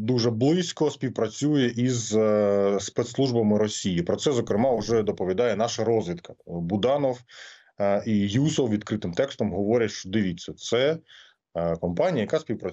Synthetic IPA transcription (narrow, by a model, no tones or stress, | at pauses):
d̪uʒɛblˠɪsʲkɔsʲpʲiwpɾɐt͡sʲujɛʔiz | spɛt̪slˠuʒbɐmɪɾɔsʲijipɾɔsɛzɔkɾɪmɑʊʒɛd̪ɔpɔʋʲid̪ɑjɛnɑʃɐɾɔzʋʲit̪kɐ̥bʊd̪ɑnɔw | ijusɔwʋʲid̪kɾɪt̪ɪmt̪ɛkst̪ɔmɦɔʋɔɾʲɐʃt͡ʃɔd̪ɪʋʲit͡sʲːɐt̪sɛ | kɔmpɑnʲijɐjɐkaspʲiwpɾɐ